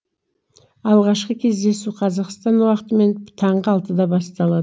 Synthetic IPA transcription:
ɑlˠʁɑʃqəkʲʰe̞zd̪e̞suqʰɑzɑqst̪ɑnuwɑqət̪əme̞nt̪ʰɑɴʁəɑlˠt̪əd̪ɑbɑst̪ɑlˠɑd̪ə

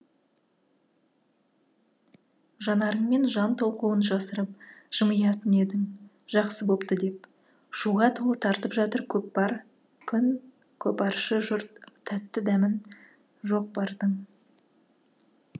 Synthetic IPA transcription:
ʒɑnɑɾəɴme̞nʒɑnt̪ʰo̞lˠquwənʒɑsəɾəp̚ʒ̥əməjɑt̪əne̞d̪ɪŋ | ʒɑqsəbo̞pt̪əd̪e̞p̚ | ʃuʁɑt̪ʰo̞lˠət̪ʰɑɾt̪əpʒɑt̪əɾkʲʰɵp̚bɑɾ | kʲʰʏn | kʲʰɵpɑɾʃəʒʊɾt̪ʰːæt̪ːɪd̪æmɪn | ʒo̞q̚bɑɾd̪əɴ

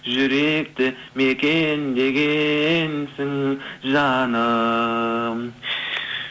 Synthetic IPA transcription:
ʒʏɾe̞k̚t̪ɪ | me̞kʲe̞nd̪e̞ɡʲe̞nsɪŋʒɑnə

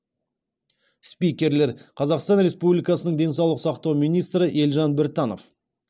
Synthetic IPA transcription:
spijkʲe̞ɾle̞ɾqʰɑzɑqst̪ɑnɾe̞spublʲijkɑsənəɴd̪e̞nsɑwlˠəqsɑqt̪ɑwmijnijst̪ɾəʔe̞lʒɑnbɪɾt̪ɑno̞f

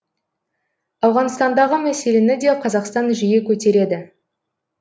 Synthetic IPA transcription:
ɑwʁɑnst̪ɑnd̪ɑʁəmæse̞le̞nɪd̪e̞qʰɑzɑqst̪ɑnʒijekʲʰɵt̪e̞ɾe̞d̪ɪ

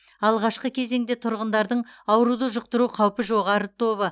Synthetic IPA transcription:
ɑlˠʁɑʃqəkʲʰe̞ze̞ŋd̪e̞t̪ʰʊɾʁənd̪ɑɾd̪əɴɑwɾud̪əʒʊq̚t̪əɾuqʰɑwpəʒo̞ʁɑɾət̪ʰo̞βə

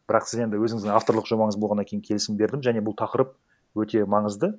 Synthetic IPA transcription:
b̥ɪɾɑqsɪze̞nd̪ɪwɵzɪŋɪzd̪ɪŋaft̪o̞ɾlˠəqʒo̞mɑɴəzbo̞lʁɑnakʲʰe̞jɪŋʲkʲʰe̞lɪsɪmbe̞ɾd̪ɪmʒæne̞bʊlˠt̪ʰɑqəɾəp̚ | wɵt̪e̞mɑɴəzd̪ə

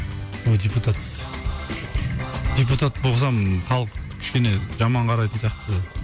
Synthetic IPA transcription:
wod̪eput̪ʰat̪ | d̪ep̬ut̪at̪boʁs̬ɑmχɑlˠəqkʲʰʏ̥ʃkʲe̞neʒɑmɑɴqʰɑɾɑjt̪ənsijɑqt̪ə

